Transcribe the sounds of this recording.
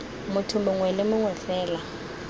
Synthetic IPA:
mʊtʰʊmʊŋwɛlɪmʊŋwɛfɛːla

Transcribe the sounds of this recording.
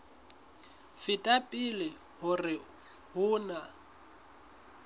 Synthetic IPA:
fɪtʼapʼilɪ | hʊrɪ | hʊːna

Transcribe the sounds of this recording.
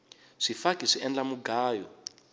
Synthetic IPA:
ʂifakiʂiʔɛnd͡ɮamuɡaːjɔ

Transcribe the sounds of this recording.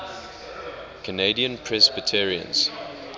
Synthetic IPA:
kʰənediə̃npʰɹɛzbətʰɛɹiə̰̃nz̥

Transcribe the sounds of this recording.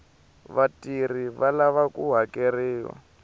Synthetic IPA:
βatiriβalaβakuɦakeriːwa̰

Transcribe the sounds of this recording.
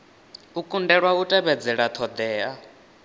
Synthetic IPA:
ukʼundɛɺwautʼɛβɛd͡zɛɺat̪ʰɔd̪ɛːa

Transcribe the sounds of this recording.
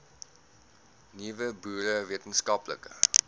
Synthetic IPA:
nivəbuːɾəviətənskɐplə̰kə̰

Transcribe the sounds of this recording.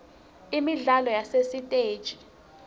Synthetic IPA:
imiɮalɔjasesitʼeːd̥ʒ̥ʱi̥

